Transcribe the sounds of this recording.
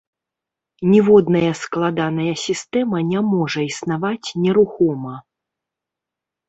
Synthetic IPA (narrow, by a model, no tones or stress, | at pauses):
nʲɛvɔd̪nɐjɐsklˠad̪anɐjɐsʲist̪ɛmɐnʲamɔʐɐisnavat͡sʲnʲɛɾuxɔmɐ